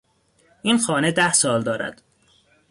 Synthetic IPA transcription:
ʔiːnxɒːne̞d̪æhsɒːld̪ɒːɾæ̰d̪̥

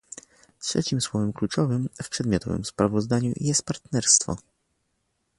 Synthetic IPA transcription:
tʂɛ̰t͡ɕimswɔvɛmklut͡ʂɔvɘmfpʂɛd̪mʲjɔt̪ʰɔ̰vɘ̰mspɾavɔzd̪aɲṵjɛst̪̚paɾt̪nɛɾst̪fɔ̰

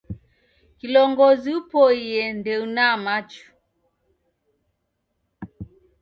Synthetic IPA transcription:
kilɔŋɡɔziupɔiɛndɛunamat͡ʃu̥

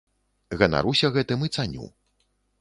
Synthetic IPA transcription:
ɣɐna̰ɾusʲɐɣɛt̪ɨmɨt̪sanʲṵ

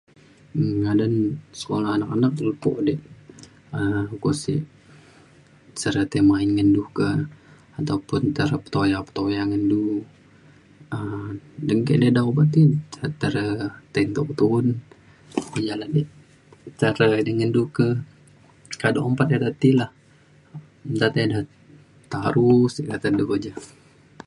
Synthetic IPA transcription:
ŋadansə̥kolahanakanak̚ləpo̰ʔdɛʔ | əkosḭʔ | t͡ʃəɾət̪emainŋənduhkə | at̪aupʊnt̪əɾəpə̥t̪ojapə̥t̪ojaŋəndu | ədəŋkɛʔdədaubat̪iət̪əɾət̪ɛnt̪okt̪un | od͡ʒaladi | t͡ʃəɾədiŋəndukə | kadoʔəmpat̪̚ad̪at̪ilah | t̪at̪adah | t̪aɾusikat̪ədəɡod͡ʒa

